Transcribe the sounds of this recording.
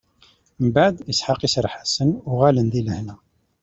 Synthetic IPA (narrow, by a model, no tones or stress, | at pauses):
mbaʕd̪əsħəqisɾˤħḁsənʊʁælənd̪iləhnæ